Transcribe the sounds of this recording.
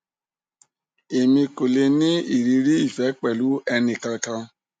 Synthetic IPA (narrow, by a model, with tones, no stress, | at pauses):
e˨mĩ˧ko˨le˧nĩ˦i˦˨ɾi˨˧ɾi˦i˦˨fɛ˨˦k͡pɛ˦˨lu˨˦ɛ˧nĩ˧kã˧kã˧